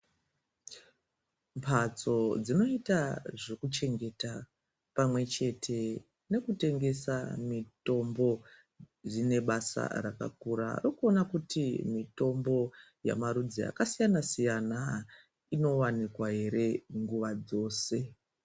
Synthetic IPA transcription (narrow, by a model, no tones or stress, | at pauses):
mpʰat͡so̞d͡zino̞itaʐekut͡ʃe̞ŋɡe̞ta | pamwe̞t͡ʃe̞tʰe̞ | ne̞kute̞ŋɡe̞samito̞mbo̞ | d͡zine̞ɓasa̰ra̰ka̰k̚uɾa̰rokuo̞nakutimito̞mbo̞ | ja̰maɾud͡zia̰kasijanasijana | ino̞wanikwaɦe̞ɾe̞ŋɡuʋad͡zo̞ːse̞